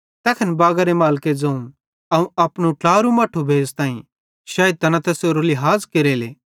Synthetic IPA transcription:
t̪ɛːkʰənbaːɡəɾemaːlked͡zɐ̃ũ | ɐũɐpnũʈaːɾumɐːʈʰːubʱeːzt̪aːĩ | ʃɐːj̪̚t̪ɐnãt̪ɛːsjoɾoliɦaːzkeɾeːleː

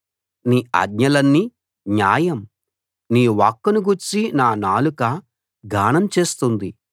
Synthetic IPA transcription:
niːɐ̰ɡɲɐlɐnːi | ɲaːjɐm | niːʋaːkːɐnuɡuɾt͡ʃːinaːnaːlukɐ | ɡaːɳɐmt͡ʃe̞ːst̪und̪i

